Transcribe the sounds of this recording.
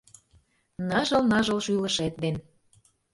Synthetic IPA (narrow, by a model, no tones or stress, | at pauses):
nɑʒɤ̆lnɑʒɤ̆lʃylə̆ʃet̪̚d̪en